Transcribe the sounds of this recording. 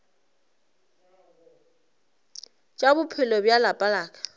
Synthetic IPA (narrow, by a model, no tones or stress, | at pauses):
t͡ʃʼabʊpʰɪlɔbjalapʼalaːkʼḁ